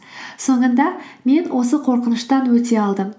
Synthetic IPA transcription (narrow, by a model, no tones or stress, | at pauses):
so̞ɴənd̪ɑme̞nwʔo̞s̬əqʰo̞ɾqənəʃt̪ɑnwɵt̪e̞ɑlˠd̪əm